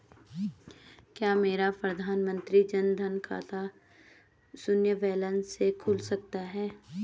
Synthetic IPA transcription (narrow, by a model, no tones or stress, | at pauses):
kjaːmeːɾapɾəd̪ʱaːnmə̃nt̪ɾid͡ʒɐnd̪ʱɐnkʰa̰ːt̪ʰa | sʊnjəʋɛːlənsekʰʊːlsɐk̚t̪aɦɛː